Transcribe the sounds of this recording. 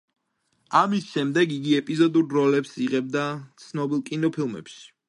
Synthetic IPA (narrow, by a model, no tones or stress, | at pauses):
amisʃɛmd̪ɛɡiɡiɛpʼizɔd̪uɾɾɔlɛpsiʁɛb̚d̪at̪sʰnɔbilˠkʼinɔpʰilˠmɛ̰pʃi̥